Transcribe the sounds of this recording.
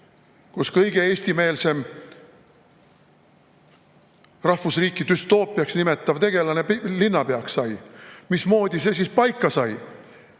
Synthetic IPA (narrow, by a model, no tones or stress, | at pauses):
kuskɤjɡe̞eːsʲt̪ime̞ːlse̞m | rɑhfusriːkˑːit̪yst̪o̞ːpːˑiɑksnime̞t̪ːˑɑvt̪e̞ɡ̥e̞lɑne̞plinːɑpe̞ɑkssɑjmismo̞ːd̪̥ʲise̞s̬ispɑjkˑːɑsɑj